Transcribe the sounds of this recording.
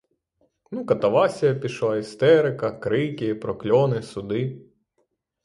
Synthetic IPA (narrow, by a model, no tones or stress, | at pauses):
nukɐt̪ɐʋɑsʲijɐpʲiʃlˠɑist̪ɛɾɪkɐkɾɪkʲɪipɾɔklʲɔnɪsʊd̪ɪ